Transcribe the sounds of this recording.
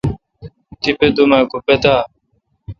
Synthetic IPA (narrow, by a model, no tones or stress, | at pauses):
t̪iped̪umaːkopet̪aː